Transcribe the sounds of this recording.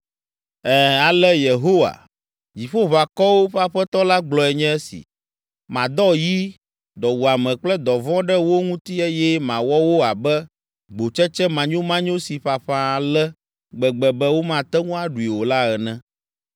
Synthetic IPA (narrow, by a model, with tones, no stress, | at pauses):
ɛ˦a˨lɛ˦je˨ɦo˦wa̰˨ | d͡ʑi˨ɸo˦βa˨kɔ˦wo˦ɸa˦ɸɛ˦t̪ɔ˦la˦ɡ͡blɔ˨ɛ˨ɲɛ̃˦ɛ˦sḭ˨ | mã˨d̪ɔ˦ji˦ | d̪ɔ˨wu˨a˨mɛ̃˨k͡plɛ˦d̪ɔ˨vɔ̃˦ɖɛ˦wo˦ŋũ˦t̪i˦ɛ˦jɛ˦mã˨wɔ˦wo˦a˨bɛ˦ | ɡ͡bo˨t͡ʃɛ˦t͡ʃɛ˦mã˨ɲõ˦mã˦ɲõ˦si˨ɸa˨ɸã˦˨lɛ˦ | ɡ͡bɛ˨ɡ͡bɛ˨bɛ˦wo˦mã˨t̪ɛ˦ŋũ˦a˦ɖu˨i˨wo˨la˦ɣɛ˨nɛ̃˦